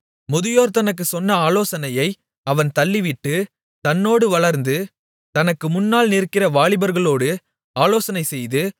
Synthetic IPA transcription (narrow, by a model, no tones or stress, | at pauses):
mʊðɪjoːɾt̪ɐnɐk̬ːɯsɔnːɐaːloːsɐnɐjɐɪ | ɐʋɐnt̪ɐlːɪʋɪʈːɯ | t̪ɐnːoːɽɯʋɐɭɐɾnd̪ɯ | t̪ɐnɐkːɯmʊnːaːlnɪɾkːɪrɐʋaːɭɪbɐɾɣɐɭoːɽɯ | aːloːsɐnɐɪsɛjðɯ